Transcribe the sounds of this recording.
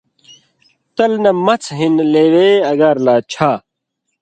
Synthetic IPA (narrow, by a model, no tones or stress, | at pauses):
t̪ɐlnɐmɐt͡sʰɦinleːweɐɡɐɾlaːt͡ɕʰa